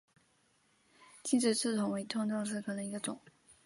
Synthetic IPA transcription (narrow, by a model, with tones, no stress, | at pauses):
t͡ɕi˥˧nʈ͡ʂɻ̩˥˩t͡sɹ̩˥˩t͡s̪ʰʊ˧˥ŋwe˧˥ɪt̪ʰʊ˥˧ŋʈ͡ʂɤ˥˧ŋʂ̬ɻ̩˥˩kʰɤ˨˩nɤ˧˥ŋi˧˥ɡə˧t͡sʊ̰˨˩˦ŋ